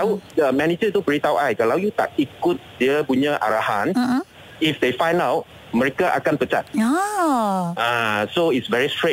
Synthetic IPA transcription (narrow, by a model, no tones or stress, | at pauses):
awəmɛ̃nid͡ʒət̪ubəɹit̪awʔajkalawjut̪a̰k̚ikut̚diəpuɲəʔa̰ɹahãn̩ | ifd̪efãjnawt̚ | məɹekaʔa̰kãnpət͡ʃa̰t̚a | ãsoitsvɛɹistɹe